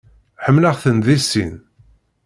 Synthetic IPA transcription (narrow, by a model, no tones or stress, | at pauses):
ħəmːləʁθənðisːḭn